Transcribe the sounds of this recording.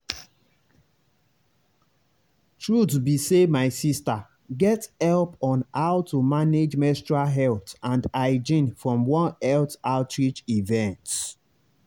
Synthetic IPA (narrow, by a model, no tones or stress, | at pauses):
tɹutbisemaɪsista | ɡɛtɛlpɔ̃nhaʊtumaned͡ʒmɛstɹalɦɛltãndaɪd͡ʒĩnfɹɔ̃mwɔ̃nɛltaʊtɹit͡ʃivɛ̃nt